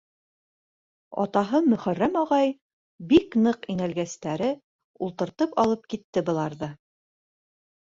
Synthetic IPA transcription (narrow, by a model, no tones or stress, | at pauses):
ɑ̰t̪ɑɦɤmɵ̆χærːæmɒʁɑj | biknɤqinælɡæst̪æɾɘ | ulˠt̪ɤ̆ɾt̪ɤpɑlˠɤp̚kit̪ːɘbɤ̆lˠɑɾðɤ